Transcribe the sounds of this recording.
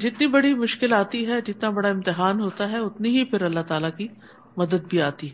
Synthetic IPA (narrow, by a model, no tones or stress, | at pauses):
d͡ʒɪt̪nibɐɽimʊʃkɪlaːt̪iɦɛd͡ʒɪt̪nabɐɽaɪ̃mt̪ɪɦaːnɦoːt̪aɦɛʊt̪niɦipʰɪɾɐlːat̪aːlaki | mɐd̪əd̪̚bʱiaːt̪iɦɛɛː